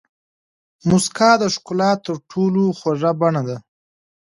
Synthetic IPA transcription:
mʊskɑd̪əʃkʊlɑt̪ːəɾʈʰoloxwaʐabaɳad̪a

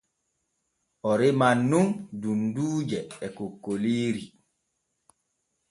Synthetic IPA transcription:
ʔɔɾemanːundunduːd͡ʒɛɛkokːoliːɾi

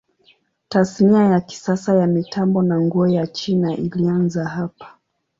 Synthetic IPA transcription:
tasniajaki̥sasajamitambɔnaŋɡɔɔjat͡ʃinaʔilianzaɦapḁ

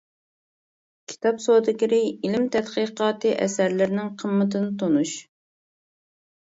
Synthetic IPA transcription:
kʲʰi̥t̪ʰɑpsod̪ɪkʲɪɾɪilɪmt̪ʰɛt̪qəqɑːt̪ʰɨʔɛ̰sæɾlɪɾnɪŋqʰəmːət̪ɨnɪt̪ʰonuʃ

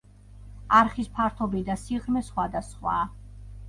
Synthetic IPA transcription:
aɾχispʰaɾt̪ʰɔbid̪asiʁɾmɛsχwad̪asχwa̰ː

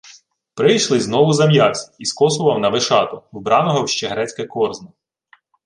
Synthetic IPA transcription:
pɾɪjʃlˠɪznɔʋʊzɐmjɑt͡sʲi̥iskɔsʊʋɐwnɐʋɪʃɑt̪ɔwbɾɑnɔɦɔwʃt͡ʃɛɦɾɛt͡sʲkɛkɔrznɐ

